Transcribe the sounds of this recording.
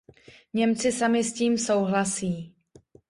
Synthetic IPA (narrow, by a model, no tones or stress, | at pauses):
ɲɛmt͡sɪsamɪsciːmso̞wɦlasiː